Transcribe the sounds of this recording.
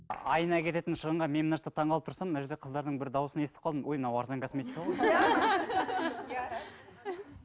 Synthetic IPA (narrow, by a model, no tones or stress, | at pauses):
ɑjənɑkʲʰe̞t̪e̞t̪ɪnʃəʁəɴʁɑme̞mnɑʃt̪ət̪ʰɑɴʁɑlˠəpt̪ʰʊɾsɑmːnɑʒeɾd̪eqʰəzd̪ɑɾd̪əɴbɪɾd̪ɑwʊsənest̪ɪ̥pqʰɑld̪əmwojmənɑwɑɾzɑŋkʰo̞sme̞t̪ikao